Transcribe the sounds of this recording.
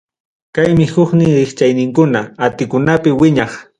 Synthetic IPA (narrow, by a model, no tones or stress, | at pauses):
kajmɪhʊχnɪŋɾɪχt͡ʃajnɪŋkʊnaat̪ɪkʊnapɪwɪɲɑχ